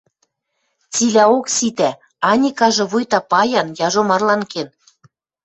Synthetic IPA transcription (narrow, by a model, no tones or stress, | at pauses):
t͡silʲæoksit̪æ | ɑnʲikɑʒɤ̆βujt̪ɑpɑjɑnjɑʒomɑrlɑnken